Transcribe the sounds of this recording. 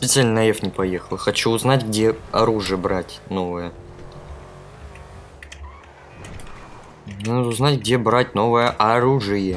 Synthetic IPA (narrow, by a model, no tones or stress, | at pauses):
spʲɪt̪sɨalʲnənɐefnʲɪpɐjexəlˠxɐt͡ɕuːznatʲɡdʲeɐɾuʐɨjəbɾatʲnovɨjə | jʲanad̪əʊznatʲɡdʲe̞bɾatʲno̞vɨjəʔɐɾuʐɨjə